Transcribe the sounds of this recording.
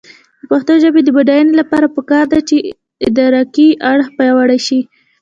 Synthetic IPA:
d̪əpaxt̪oʒabed̪əbaɖajanolapɑɾapəkɑɾd̪at͡ʃe | ɪd̪ɑɾɑkiʔaɽxpajwaɽaʃi

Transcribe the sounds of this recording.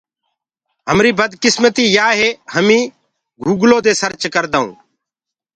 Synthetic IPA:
ɦəmɾiːbəd̪kɪsmət̪iːjaːɦeːɦəmĩː | ɡuːɡloːd̪eːsəɾt͡ʃkəɾd̪aːṵ̃ː

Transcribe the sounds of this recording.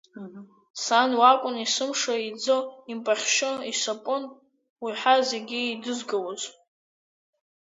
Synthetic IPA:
sanwakʷʼʊnisɨmʂaid͡zoimpʼaχʲʃʊisapʼʊn | wiħazeɡʲiidɨzɡawozʼ

